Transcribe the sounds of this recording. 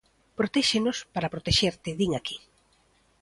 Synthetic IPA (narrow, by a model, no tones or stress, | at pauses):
pɾot̪ɛʃenospaɾɐpɾot̪eʃeɾt̪ɪðiŋaki̥